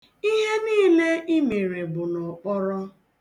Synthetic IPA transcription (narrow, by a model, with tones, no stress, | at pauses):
i˦ɦe˦niː˦le˦ʔi˦me˨ɾe˨bʊ˨nɔ˨k͡pɔ˦ɾɔ˦